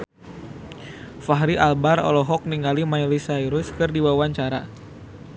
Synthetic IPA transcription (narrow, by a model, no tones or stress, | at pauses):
faɦɾiʔalbarɔ̰lɔɦɔk̚niŋɡalimajlisajɾʊskɨrdiwawaɲt͡ʃaɾa̰